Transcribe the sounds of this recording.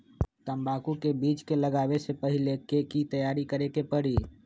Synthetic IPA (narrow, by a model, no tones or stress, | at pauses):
t̪əmbaːkukebiːt͡ʃkeləɡaːʋesepəɦɪlekekit̪əjaːɾikəɾekepəɽi